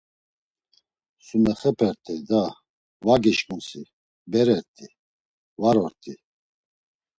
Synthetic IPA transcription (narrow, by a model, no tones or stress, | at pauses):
sunɛχɛpʰɛɾt̪ʼʰid̪a | vaɡiʃkʼunsi | bɛɾɛɾt̪ʰʼi | vaɾɔɾt̪ʼʰi